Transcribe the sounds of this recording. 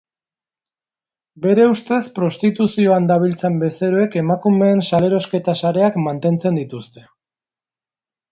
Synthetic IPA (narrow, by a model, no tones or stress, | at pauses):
be̞ɾe̞ust̪e̞spɾo̞st̪it̪usio̞and̪aβ̞ilt͡se̞mbe̞seɾoe̞ke̞makume̞ːnsale̞ɾo̞ske̞t̪asaɾe̞akmant̪e̞nt͡se̞nd̪it̪ust̪e̞